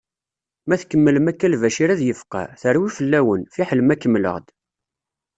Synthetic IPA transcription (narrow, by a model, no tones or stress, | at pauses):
mæθkːəmːələmækːælvæʃiɾæðjəfqɑ̰θəɾwifəlːæwənfiħələmækːəmːlə̰ʁd̪